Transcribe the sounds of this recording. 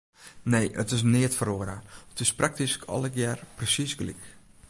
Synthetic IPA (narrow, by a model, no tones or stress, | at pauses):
nejʔə̰tɪs̬nɪətfəɾoəɾəətɪsprʔak̚tiskʰɔ̰ləkjɛrprəsisɡlḭk